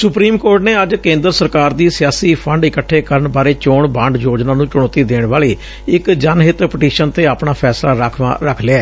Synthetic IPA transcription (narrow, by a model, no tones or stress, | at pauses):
sʊpɾiːmkoːɾʈneːəd͡ʒkẽːnd̪əɾsəɾkaːɾd̪iːsɪjaːsiːpʰəɳɖɪkəʈʰːeːkəɾəɳbaːɾeːt͡ʃoːɳbãːɳɖjoːd͡ʒnaːnũːt͡ʃʊɽ̃ɔ̃ːt̪iːd̪eːɳʋaːliː | ɪkd͡ʒanɦɪt̪pəʈiːʃənt̪eːaːpɳaːpʰɛːslaːɾəkʰʋã̰ɾəkʰleaɛː